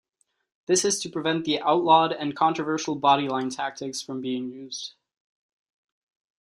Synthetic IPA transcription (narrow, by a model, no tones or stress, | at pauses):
ðɪsɨz̥tʰɨpʰɹ̥ɨvɛ̃nðiʔaʊtˡlɔɾɨ̃nkʰɑ̃nt͡ʃɹ̥əvɜ˞ʃl̩ˠbɑɾilãɪ̃ntʰæk̚tɨksfɹʌ̃mbiɪ̃ŋjʉzd̥